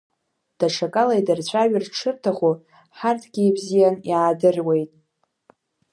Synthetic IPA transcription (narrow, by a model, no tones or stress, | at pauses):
d̥aʈ͡ʂʰakʼalajdart͡ɕʷʰʼaɥɪrʈ͡ʂʰɨrtʰaχʷu | ħartʰɡ̥ʲiebzijanjaːdɨrwe̞jtʼ